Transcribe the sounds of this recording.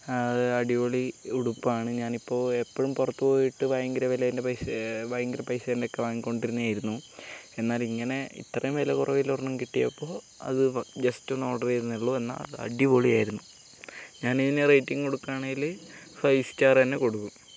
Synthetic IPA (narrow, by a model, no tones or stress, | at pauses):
ɐɨɐɖiʋoɭiuɽupːaːɳɨɲaːnipːo̞ːepːɐɻumpurɐt̪ːupo̞ːjiʈːɨʋɐjɐŋɡɾɐʋilɐjindepɐjʋɐjŋɡiɾɐpːɐjsɐðindeokːeʋaːŋko̞ɳɖiɾunːɐaːjiɾunːue̞nːaːliŋːɐne̞ḭt̪ːrɐjumʋilɐkurɐʋilornːɐmkiʈːijɐ̰pːo̞ː | ɐ̰ðɨd͡ʑɐstono̞ːɽɐrɐjɾunːɐɭːoe̞nːa̰ːlɐ̰ɽiʋoɭiaːjiɾunːu | ɲaːniðinerejtːiŋko̞ɽukːaːɳeŋɡil | fɐjst͡ɕːaːrɐnːeko̞ɽukːu